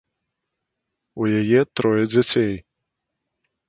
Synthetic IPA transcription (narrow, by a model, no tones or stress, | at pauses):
ujajɛt̪ɾɔjɛd͡zʲat͡sʲej